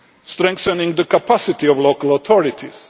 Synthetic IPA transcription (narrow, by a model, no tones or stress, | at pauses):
stɾɛ̃ŋkθə̃nɪ̃ŋd̪əkapʰasɪt̪iɔvloʊkəlɔt̪ʰɔɹɪt̪ʰiz̥